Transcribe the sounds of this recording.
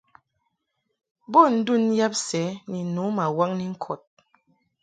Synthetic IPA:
bɔ˦˨n̩˦du˦˨n˦ja˦p̚sɛ˨˦ni˨nu˨˦ma˨wa˦ŋni˦ŋ̩˦kʰɔ˨t̚

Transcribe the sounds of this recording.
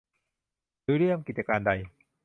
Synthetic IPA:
ɾɯː˦ɾi˥˩əmki˨t̪̚t͡ɕa˧kaː˧nda˧j

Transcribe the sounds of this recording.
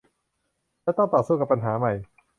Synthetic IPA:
lɛː˥˩t̪ɔ˥˩ŋt̪ɔː˨˩suː˥˩ka˨˩pːa˧nɦaː˩˦ma˨˩j

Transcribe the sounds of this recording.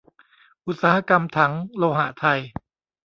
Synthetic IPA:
ʔu˦t̪̚saː˨˦ha˧ka˧mt̪ʰa˦˥ŋloː˧ɦa̰˧˩˦t̪ʰa˧j

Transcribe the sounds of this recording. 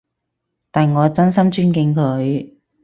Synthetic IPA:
t̪aː˨nŋɔː˨˧t͡sɐ˥nsɐ˥mt͡ʃyː˥nkɪ˧ŋkʰɵ˨˧ɥ

